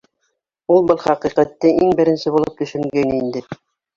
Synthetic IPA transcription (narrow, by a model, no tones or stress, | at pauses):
ulˠbɤlˠχɑqiqæt̪ːɘʔiŋbɘ̆ɾɘ̆nsɘbulˠɤp̚t̪ɵ̆ʃɵ̆ŋɡænind̪ɘ